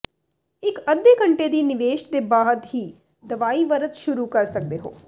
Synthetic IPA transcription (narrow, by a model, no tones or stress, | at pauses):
ɪkəd̪ːeːkəɳʈeːd̪iːnɪʋeːʃd̪eːbaːd̪ɦiː | d̪əʋaːiːʋəɾət̪ʃʊɾuːkəɾsək̚d̪eːɦo̰ː